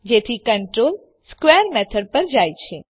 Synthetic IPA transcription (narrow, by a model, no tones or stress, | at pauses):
d͡ʒet̪ʰikəɳʈɾol | skʋeəɾmɛt̪ʰəɖ̚pəɾd͡ʒajt͡ʃʰe